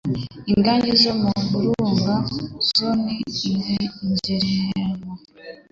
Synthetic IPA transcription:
iŋɡaːɲɟizomuβuɾuːŋɡazoniːɡeiɲzeɾejeŋo

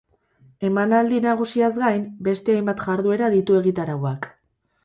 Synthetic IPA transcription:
e̞manald̪inaɣ̞usiazɡajmbe̞st̪eajmbat̪ʝaɾðue̞ɾaðit̪ue̞ɣit̪aɾawak

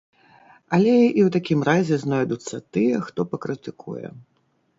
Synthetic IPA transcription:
ɐlʲɛʔiwt̪akʲimrazʲɛznɔjd̪ut̪sːɐt̪ɨjɛxt̪ɔpɐkɾɨt̪ɨkʰṵjɛ̰

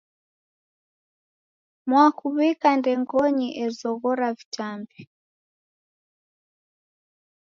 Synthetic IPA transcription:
mwakuβikandɛŋɡɔɲiʔɛzɔɣɔɾavitambi

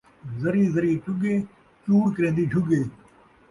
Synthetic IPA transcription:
zəɾiːzəɾiːʈʊɡeː | t͡ʃuːɾkəɾẽːnd̪iːɖʰʱʊɡeː

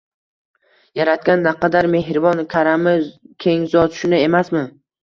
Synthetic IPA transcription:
jaɾat̪̚kʲanːaqʰɑd̪aɾme̞hɾɪvɒnkʲʰaɾamɪkʲʰe̞ŋzɒt̪ʰʊ̥ʃʊnɪe̞masmɪ

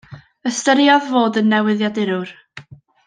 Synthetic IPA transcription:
əstəɾiɔðvoːdənːɛwɪðjadɪɾʊr

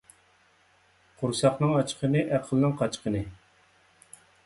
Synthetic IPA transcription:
qʰuɾsɑχnɨŋɑt͡ʃqʰənɨʔæqʰəlˠnɨŋqʰɑt͡ʃqʰənɨ

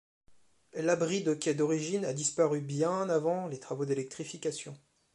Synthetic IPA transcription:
labʁid̪əkʲɛd̪ɔʁiʒinad̪ispaʁybjɛ̃navɑ̃let̪χavod̪elɛk̚t̪χifikʲasjɔ̃

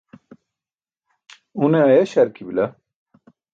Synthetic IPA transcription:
uneɐjeɕɐɾkʰibilɐ

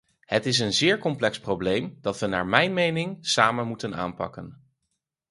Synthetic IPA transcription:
hətɪs̬ənzɪːɹkɔmplɛksprowblejmd̥ɑtʋəna̰ːɹmɛjnmejnɪŋsaːmənmutəna̰ːnpɑ̰kən

